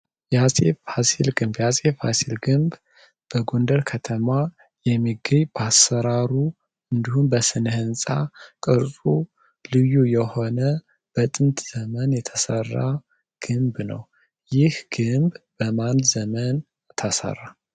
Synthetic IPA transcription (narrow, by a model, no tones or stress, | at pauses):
jasʼefhasilɡɨmbjasʼefasilɡɨmb | b̥əɡo̞nd̪əɾkʰət̪ʰəma | jɛmːiɡəɲbasːəɾaɾu | ɨnd̪ihumbəsɨnhɨnsʼakʼɨɾsʼu | lɨjːujɛho̞nə | b̥ət̪ʼɨnt̪ʰz̥əmənjɛt̪ʰəsərːa̰ | ɡ̥ɨmbnə̰w | jɪhɡ̥ɨmbbəmanzəmən | t̪ʰəsə̰rːa